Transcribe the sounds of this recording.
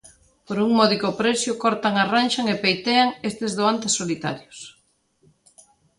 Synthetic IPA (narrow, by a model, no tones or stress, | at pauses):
poɾuŋmɔðikopɾɛsjʊkɔɾt̪aŋaranʃaŋepejt̪eaŋest̪ezðoant̪esːolit̪a̰ɾjʊs